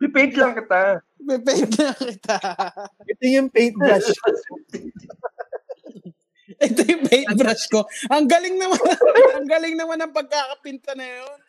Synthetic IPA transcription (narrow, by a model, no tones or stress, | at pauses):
mɛpejnt̪lɐŋkɪt̪a | mɛpɛjt̪lɐŋkɪt̪aʔɛt̪ojʊŋpejt̪̚bɾasɐop̪ | ʔɛt̪ojʊŋpejnt̪̚bɾɐsko̞ʔɐŋɡɐlɪŋnɐmannɐŋɡɐlɪŋnɐmanɐŋpɐɡ̚kːaːkɐpɪnt̪ɐnɐjon